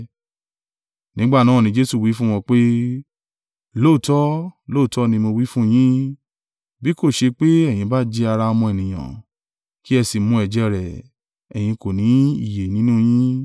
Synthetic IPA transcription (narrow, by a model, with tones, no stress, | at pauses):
nĩ˦ɡ͡ba˦˨nã˦˨ĩ˧d͡ʒe˦su˦˨wi˨˦fũ˦w̃ɔ̃˧k͡pe˦ | lo˦˨tɔ˦lo˦˨tɔ˨˦nĩ˧mo˧wi˦fũ˦j̃ĩ˦ | bi˦ko˦˨ʃe˧k͡pe˦ɛ˦˨j̃ĩ˧ba˦d͡ʒɛ˧˦a˧ɾa˧ɔ˧mɔ̃˧ɛ˨nĩ˨j̃ã̰˨ | ki˦ɛ˧si˨mũ˧ɛ˨d͡ʒɛ˧ɾɛ˨ | ɛ˨j̃ĩ˧ko˨nĩ˨˦ḭ˦˨je˨nĩ˦nũ˦j̃ĩ˦